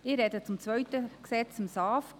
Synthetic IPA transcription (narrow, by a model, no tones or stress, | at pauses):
ɪːɾːɛdət͡sʊmt͡sʋœɥtəksɛt͡sɪmsɑːf